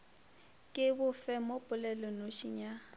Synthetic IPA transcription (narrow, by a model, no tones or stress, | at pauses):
kʼɪbʊfɛmopʼʊlɛlɔnoʃiɲa